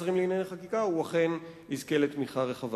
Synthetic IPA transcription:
zʁimliinanaχakikauaχe̞n | izkeletmiχaʁeχav

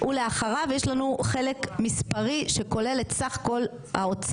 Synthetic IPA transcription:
ʔule̞aχaʁavjeʃlanuχe̞lekmispaʁiʃe̞ko̞le̞letsaχḁko̞l | ha̰ot͡s

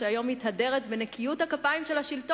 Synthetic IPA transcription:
eajo̞mːithade̞ʁet̪benekijuthakapaimʃe̞lhaʃilto

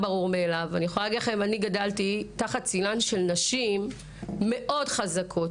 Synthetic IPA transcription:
baʁuʁmeːlavaniχojaɡlaχemaniɡadaltitaχat̚t͡silanʃe̞lnaʃimː | e̞ʔo̞dχazakʰo̞t

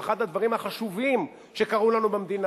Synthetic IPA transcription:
χad̪had̪vaʁimhaχaʃuvim | ʃekaʁulanubemd̪in

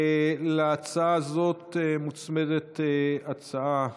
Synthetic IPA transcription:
leat͡saazo̞t̪emut͡smed̪et̪eat͡saa

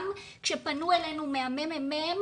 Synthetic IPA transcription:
m | kʃe̞panuelenumeamememem

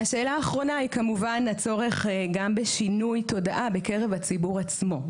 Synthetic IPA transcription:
haʃe̞ːlaːχʁo̞nahikamuvanat͡so̞ʁe̞χɡambeʃinujto̞daʔabe̞ke̞ʁe̞vat͡sibuʁat͡smo̞

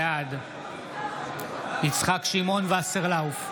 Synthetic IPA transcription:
ad̪ | it͡sχakʃimo̞nvaseʁlauf

